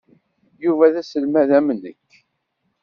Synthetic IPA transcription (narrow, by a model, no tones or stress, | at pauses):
juvæðæsəlmæðæmənəkː